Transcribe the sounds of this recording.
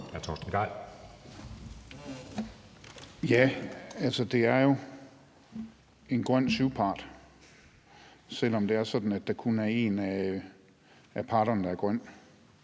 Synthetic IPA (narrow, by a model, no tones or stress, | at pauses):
æɐt͡sʰɒsd̥ənɡ̥ɑ̈ɪ̰l | jæælsəd̥e̝æɐjo̝ | e̝nɡ̥ʁœn̰syʊpʰɑ̈ːd̥ | sel̰ɒ̽md̥e̝æɐsɒ̽d̥n̩æd̥ːɑ̈kʰunæɐe̝ːnæ | æpʰɑ̈ːɾ̥ɐnəd̥ɑ̈æɐɡ̥ʁœn̰̥